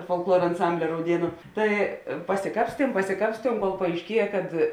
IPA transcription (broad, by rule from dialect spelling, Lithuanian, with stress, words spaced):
foːlˠkˈlˠuɔr ɐnˈsɐmʲbʲlʲɪ rɐʊˈdʲiɛnʊ ˈtɐɪ pɐsʲɪˈkɑːpʲsʲtʲiɛm pɐsʲɪˈkɑːpʲsʲtʲiɛm koːlˠ pɐɐɪʃʲˈkʲiɛjɛ kɐt